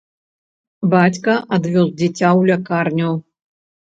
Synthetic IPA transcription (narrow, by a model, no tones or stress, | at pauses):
bat͡sʲkɐʔad̪vʲɔzd͡zʲit͡sʲawlʲakarnʲɐw